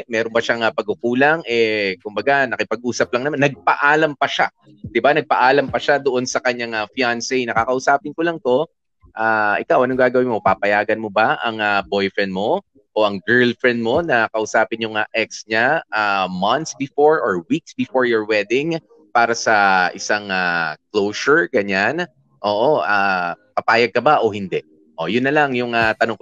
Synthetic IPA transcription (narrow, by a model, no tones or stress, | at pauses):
mɛːɾonbɐʃaŋɐpɐɡ̚ʊkuːlɐŋʔɛkʊmbɐɡanɐkɪpɐɡ̚ʔuːsɐp̚lɐŋnɐmanːɐɡ̚pɐʔaːlɐmpɐʃa | d̪̥ɪbanɐɡ̚pɐʔaːlɐmpɐʃad̪oʔo̞nsɐkɐɲaŋɐfjansɛjnɐkakɐʔʊsaːpɪnkolɐŋt̪o̞ | ʔaʔɪkawʔɐnoŋɡaːɡɐwɪnmopapɐjaːɡɐnmo̞bɐʔɐŋɐbo̞jfɹɛnmo̞ | ʔoʔɐŋɡɛɹlfɹɛnd̪̚mo̞nɐkɐʔʊsaːpɪnjʊŋaʔɛk̚sɲaʔamɐnt̪sbɪfoɹʔoɹwik̚sbɪfoɹjɔɹwɛd̪ɪŋ | paːɾɐsɐʔɪsaŋaklowsʊɹɡɐɲan | ʔo̞ːʔoʔapɐpaːjɐɡ̚kɐbaʔo̞hɪnd̪ɛʔ | ʔojʊnːɐlaŋjʊŋat̪ɐnoŋk